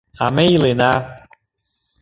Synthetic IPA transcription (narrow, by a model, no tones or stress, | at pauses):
amẽilena